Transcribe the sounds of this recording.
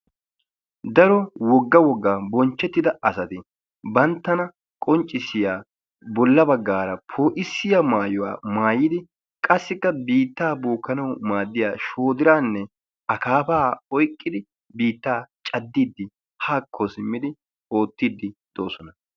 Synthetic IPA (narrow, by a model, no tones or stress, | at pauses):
d̪ɐɾɔwɔɡːɐwɔɡːaːbɔnt͡ʃːɛt̪ːɪd̪ɐɐsɐt̪ɪ | bɐnt̪ːɐnɐ | kʼɔnt͡ʃʼːɪsːɪjaː | bɔlːɐbɐɡːaːɾɐpʰo̞ːʔɪsːɪjɐmaːjɔwa̰ːmaːjːɪd̪ɪ | kʼɐsːɪkːɐbiːt̪ːaːboːkːɐnɐwʊmaːd̪ːɪjaːʃo̞ːd̪ɪɾaːnːɛ | ɐkaːfaːɔjkʼːɪd̪ɪ | biːt̪ːaːt͡ʃʼɐd̪ːiːd̪ːɪ | haːkʰːɔsɪmːɪd̪ɪ | o̞ːt̪ːiːd̪ːɪd̪̥o̞ːsɔnɐ